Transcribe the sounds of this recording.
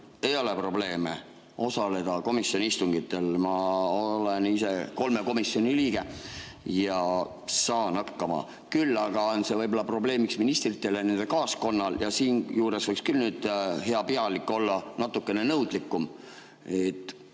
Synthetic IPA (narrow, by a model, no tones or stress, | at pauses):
ejo̞le̞pro̞ble̞ːme̞̰ | o̞sɑle̞d̪̥ɑko̞misjo̞niist̪uŋɡ̥it̪ːˑe̞lmɑole̞nise̞ko̞lme̞ko̞misjo̞nʲiliːɡ̥e̞jɑ | sɑːnɑkːɑmɑ̰ | kylːɑɡ̥ɑonse̞vɤjbo̞lːɑpro̞ble̞ːmiksminist̪rit̪ːˑe̞lene̞nd̪̥ekɑːsko̞nːɑljɑsiːnjuːɾe̞svɤjkskylnyːd̪̥ɦe̞ɑpiɑlikːˑo̞lːɑnɑt̪ːˑukːˑe̞ne̞nɤwd̪̥likːˑum | et̪ːˑ